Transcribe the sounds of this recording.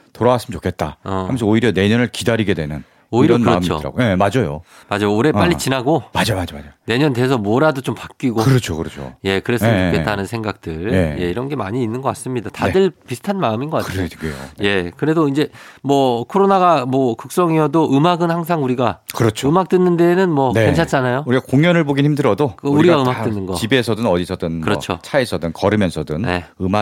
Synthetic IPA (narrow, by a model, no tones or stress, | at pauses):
toɾaɡas͈ɯmt͡ɕʰokʰe̞t̚t͈a̰ʌa̰mʰesʰʌoiɾjʌne̞ɲʌnɯɭkidaɾiɡe̞dwe̞nɯn | oiɾʌnɯɾʌmt͡ɕʰo̰ɯɾa̰ɡojemad͡ʑʌjo̰ | mad͡ʑajoːɾe̞ppaʎːit͡ɕinaɡomad͡ʑamad͡ʑomaane̞ɲʌndwe̞s̬ʰʌmwʌɾadot͡ɕompak̚k͈iɡoɯɾʌt͡ɕʰokɯɾʌt͡ɕʰo̰je̞kɯɾe̞s͈ɯmt͡ɕoke̞t͈anɯnsʰe̞ŋɡak̚t͈ɯɭeje̞iɾʌnɡe̞maɲiːnːɯnɡʌk͈as͈ɯmɲidatadɯɭpisʰɯ̥tʰanmaɯminɡʌkaɾɯɡeo̰je̞kɯɾe̞doind͡ʑe̞mwʌkʰoɾonaɡamwʌkɯk̚s͈ʌŋiʌdoʔɯmaɡɯnhaŋs̬ʰaŋuɾiɡakɯɾʌt͡ɕʰɯmak̚t͈ɯnːɯnde̞nɯnmwʌneent͡ɕʰat͡ɕ͈anajouɾiakoŋjʌnɯɭboɡinhimdɯɾʌdokuɾiɡaɯmak̚t͈wɯnːɯnɡʌibe̞sʰʌdɯnʌdisʰʌdɯnkɯɾʌt͡ɕʰo̰t͡ɕʰaesʰʌdɯnkʌɾɯmjʌnsʰʌdɯnne̞̰ɯma